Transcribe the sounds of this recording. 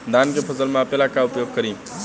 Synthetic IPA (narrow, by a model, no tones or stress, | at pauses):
d̪ankepʰəsəlmẽəpelakaupjoɡ̚kəɾĩː